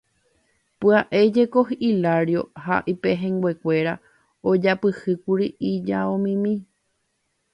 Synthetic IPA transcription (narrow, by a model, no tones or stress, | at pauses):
pɨaʔe̞d͡ʒe̞ko̞ɦilaɾjo̞ha̰ʔipe̞ɦẽ̞ŋɡwe̞kʷe̞ɾa | od͡ʒapɨhɨkuɾiʔid͡ʒaõmĩmĩ